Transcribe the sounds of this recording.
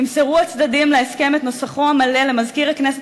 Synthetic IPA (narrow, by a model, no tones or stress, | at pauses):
imseʁuat͡sd̪adimleeske̞met̪no̞saχo̞amale̞lemazkiʁhaknes